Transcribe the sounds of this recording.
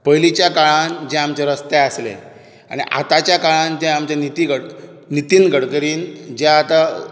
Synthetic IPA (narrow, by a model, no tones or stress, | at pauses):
pəjlit͡ɕjakaɭãnd͡ʑẽamt͡ɕeɾəst̪easlḛ | a̰ɽ̃iʔa̰t̪at͡ɕjakaɭãnd͡ʑẽamt͡ɕanit̪iɡəɽ | nit̪iːnɡʱəɽkəɾiːnd͡ʑaːt̪a